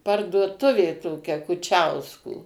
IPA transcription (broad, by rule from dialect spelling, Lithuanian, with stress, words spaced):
pɐrduɔˈtʊʋʲeː toːˈkʲɛ kʊˈt͡ʃʲɛʊskoː